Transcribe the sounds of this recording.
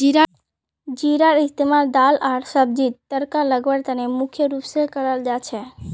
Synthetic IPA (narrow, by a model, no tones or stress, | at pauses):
d͡ʒiɾa | d͡ʒiɾaɾɪst̪emaɾd̪alaɽsəb̚d͡ʒit̪ːəɾkaləɡbəɾt̪ənemʊkʰjəɾupsekəɾəld͡ʒat͡ʃʰe